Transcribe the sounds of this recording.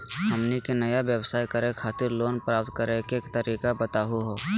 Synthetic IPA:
ɦɐmnikenɐjaʋjəwsaːikəɾekʰaːt̪ɪɾloːnpɾaːp̚t̪kəɾekekt̪əɾiːkabət̪aːɦuɦoː

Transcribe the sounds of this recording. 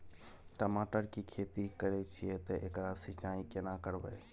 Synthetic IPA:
ʈəmaːʈəɾkikʰeːt̪ikəɾet͡ʃʰiet̪ɐʔɪkɾasɪt͡ʃaːikenakəɽʋə̰e

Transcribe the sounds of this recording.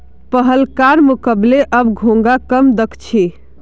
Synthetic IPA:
pəɦəlkaɾmukəbleʔəbɡʱõŋ̆ɡakəmd̪əkʰt͡ʃʰi

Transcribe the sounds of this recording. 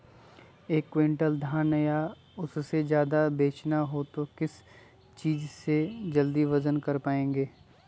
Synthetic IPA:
eːkːwẽːɳʈəld̪ʱaːnɐja | ʊssed͡ʒjaːd̪abeːt͡ʃnaɦoːt̪okɪs | t͡ʃiːd͡ʒsed͡ʒɐld̪iʋɐzənkɐɾpaːẽːŋɡeː

